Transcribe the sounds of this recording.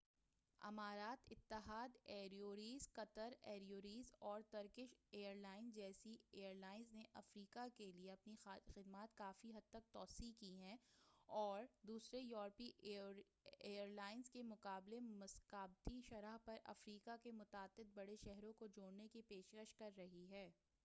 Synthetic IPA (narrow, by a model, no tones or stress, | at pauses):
ɐ̰maːɾaːt̪ɪt̪ːɪɦaːd̪eːɾioːɾiːzqɐt̪əɾɛːɾioːɾiːzɔːɾt̪ɐɾkɪʃeːəɾlaːɪnd͡ʒɛːsieːəɾlaːɪnzneʔɐfɾiːkakelieɐpnixɪd̪maːt̪kaːfiɦɐd̪̚t̪ɐk̚t̪ɔːsikiɦɛ̃ːɔːɾd̪uːsɾejɔːɾpi | eːəɾlaːɪnzkemʊqaːblemɐskaːb̚t̪iʃɐɾaɦpɐɾʔɐ̰fɾiːkakemʊt̪aːd̪ːɪt̪̚bɐɽeʃɛɦɾõkod͡ʒoːɽnekipeːʃkəʃkɐɾːɐɦiɦɛː